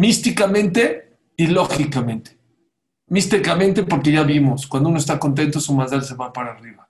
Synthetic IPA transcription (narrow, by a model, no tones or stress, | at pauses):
mist̪ikamẽnt̪e̞ | ilo̞xikamẽ̞nt̪e̥ | mist̪ikamẽ̞nt̪e̞po̞ɾke̞ʝaβimo̞skwand̪unoest̪ako̞nt̪̬e̞nt̪osumazalse̞βapaɾaːriβa